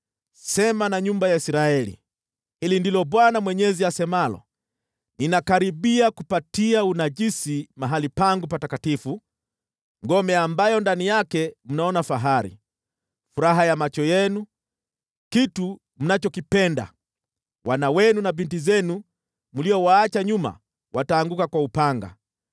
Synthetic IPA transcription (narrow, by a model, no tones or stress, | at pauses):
sɛmanaɲumbajaisɾaɛlḭ | hilindilɔɓwanamwɛɲɛziasɛmalɔ̰ | ninakaɾiɓiakupatiaunaʄisimaɦalipaŋɡupatakatifu | ŋɡɔmɛambajɔndanijakɛm̩naɔnafaɦaɾḭ | fuɾaɦajamat͡ʃɔjɛnu | kitu | m̩nat͡ʃɔkipɛnda̰ | wʔanawɛnunavintizɛnu | muliɔwaːt͡ʃaɲuma̰ | wʔataːŋɡukakwaupaŋɡa̰